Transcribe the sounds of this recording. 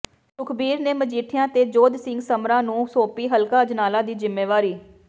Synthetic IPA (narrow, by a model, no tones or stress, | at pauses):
ʈʊkʰbiːɾneːməd͡ʒiːʈʰɪjãːt̪eːd͡ʒoːd̪sɪŋɡsəmɾãːnũːsoːpiːɦəlkaːəd͡ʒnaːlãːd̪iːzɪmːeːʋaːɾiː